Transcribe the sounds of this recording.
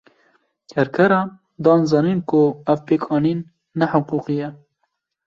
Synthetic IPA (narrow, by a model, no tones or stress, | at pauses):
kʰɛɾkʰɛɾɑn | d̪ɑːnzɑːninkʰʊævpeːkʰɑːninː | ɛħʊquqijɛ